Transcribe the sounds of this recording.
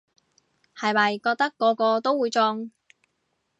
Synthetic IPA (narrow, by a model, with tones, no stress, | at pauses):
hɐ˨jmɐ˨jkɔː˧k̚t̪ɐ˥kːɔː˨˧kɔː˧t̪o˥wuː˨˧jt͡sɔː˧ŋ